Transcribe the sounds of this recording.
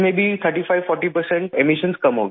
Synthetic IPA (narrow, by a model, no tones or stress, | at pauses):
mebʱit̪ʰəɾʈifajʋfɔɾʈipəɾsẽɳʈemiʃənskəmɦoɡ